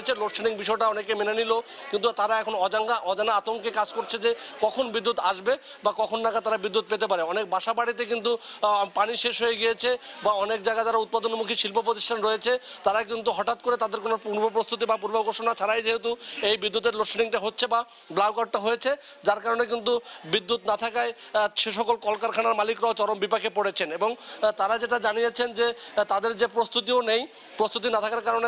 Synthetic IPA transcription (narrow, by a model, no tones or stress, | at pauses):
t͡ɕʰelokseniŋbiʃɔeʈaɔnekemenanilo | kint̪̬ut̪aɾaɛkʰonɔd͡ʑaŋɡaʔɔd͡ʑanaat̪oŋkekad͡ʑkoɾt͡ɕʰed͡ʑekɔkʰonbid̪ːut̪aʃbe | bakɔkʰonːakat̪aɾabid̪ːut̪̚pet̪epaɾeɔnek̚baʃabaɽit̪̬ek̬int̪upaniʃeʃɦojeɡijet͡ɕʰebaɔnek̚d͡ʑaɡad͡ʑaɾaut̪̚pad̪onmukʰiʃilpopɾot̪̬iʃʈʰanɾɔjet͡ɕʰet̪aɾak̬int̪uɦɔʈat̪̚koɾet̪ad̪eɾkonopuɾbopɾost̪ut̪̬ibapuɾboɡoɾʃonat͡ɕʰaɾajd͡ʑeɦet̪uejbid̪ːut̪eɾloʃoniŋʈaɦotːɕʰeba | blawkaɖ̚ʈaɦojet͡ɕʰe | d͡ʑaɾkaɾonek̬int̪̬ubid̪ːut̪nat̪ʰakae | ʃeʃɔkolkɔlkaɾkʰanaɾmalikɾɔot͡ɕɔɾombipakʰepoɽet͡ɕʰeneboŋt̪aɾad͡ʑeʈad͡ʑanijet͡ɕʰend͡ʑet̪ad̪eɾd͡ʑepɾost̪ut̪̬ionej | pɾost̪ut̪inat̪ʰakaɾkaɾone